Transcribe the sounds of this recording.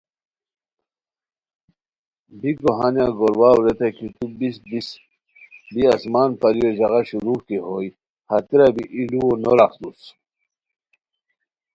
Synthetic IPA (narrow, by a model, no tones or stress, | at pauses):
biɡoɦanjaɡoɾwaːwɾet̪akit̪ubisb̪is | biasmaːnpɐɾijod͡ʑɐɣaɕuɾuːkeɦoj | hɐt̪iɾabiʔiluonoɾakd̪us